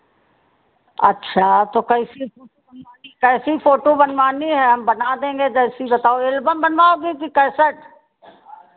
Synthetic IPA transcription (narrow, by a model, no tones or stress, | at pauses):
ɐ̰tːʃʰaːt̪oːkɐɪsipʰoːʈobɐnaːnikɛːsipʰoːʈobənʋaːniɦɛɦɐmbənad̪ẽːŋɡed͡ʒɛːsibət̪aːoɪlbəmbənʋaoɡit̪ikɛːsəʈ